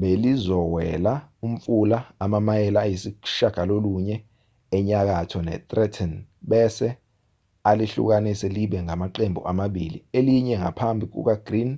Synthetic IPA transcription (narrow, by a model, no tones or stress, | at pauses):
ɓelizɔwɛlaum̩fulaːmamajɛlaːjisiʃaɡ̥ʱaloluɲɛː | ɲak̬atʰɔnɛ̰t̪ʼrɛtʰɛn | ɓɛsɛ | aliɬṵk̬anisɛliɓɛŋamaǃembʱṵʔamaɓilḭeliɲɛŋɡʱa̰pʰambʱik̬ṵk̬aɡ̥rin